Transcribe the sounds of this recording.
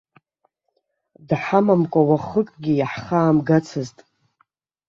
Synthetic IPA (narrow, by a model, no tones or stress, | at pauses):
dħamamkʷʼawaχəkʼɡʲijaħχaːmɡat͡sʰɨztʼ